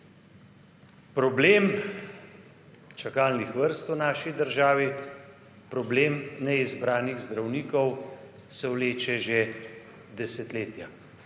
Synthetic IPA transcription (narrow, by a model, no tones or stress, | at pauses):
pɾɔbleːm | t͡ʃakaːlnixʋəɾst̪wnaːʃid̪əɾʒaːʋi | pɾɔbleːmnɛizbɾaːniɣzd̪ɾawniːkɔw | sɛwleːt͡ʃɛʒe | d̪ɛsɛt̪leːt̪ja